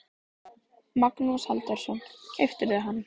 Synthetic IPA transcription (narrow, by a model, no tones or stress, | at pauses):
maknusalt̪aɾ̥sɔncʰɛft̪ɪɾðɪɦanː